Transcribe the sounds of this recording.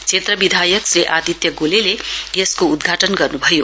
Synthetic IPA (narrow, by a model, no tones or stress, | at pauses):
t͡sʰet̪rʌbid̪ʱajʌksreʔad̪it̪jʌɡolelejeskoud̪ɡʱaʈʌnɡʌrnubʱʌjo